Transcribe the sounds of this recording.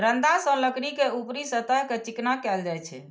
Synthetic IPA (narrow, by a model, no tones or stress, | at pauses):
ɾənd̪asə̃ləkɽikeupɾisət̪əɦket͡ʃiknakɛld͡ʒajt͡ʃʰɛ̰